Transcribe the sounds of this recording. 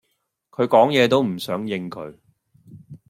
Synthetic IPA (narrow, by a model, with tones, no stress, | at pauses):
kʰɵ˨˧ɥkɔː˨˥ŋjɛː˨˧t̪o˥wm̩˨˩sœː˨˥ŋjɪ˧ŋkʰɵ̰˨˧ɥ